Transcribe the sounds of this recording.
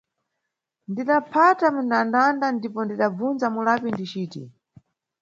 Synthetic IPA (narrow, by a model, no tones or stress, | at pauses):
ndiɗapʰatamundandandandipɔndiɗab͡vunzamulapindit͡ʃiːtḭ